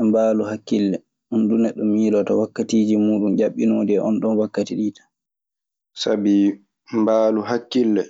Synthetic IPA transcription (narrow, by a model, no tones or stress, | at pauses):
ɛmbaːluhakːilːɛ | undunɛɗːɔmiːlɔtawakːatiːd͡ʒimuːɗund͡ʒaɓːinoːdɛʔɔ̰nɗɔnwakːatiɗiːtḁ | sabi | mbaːluɦakːilːɛ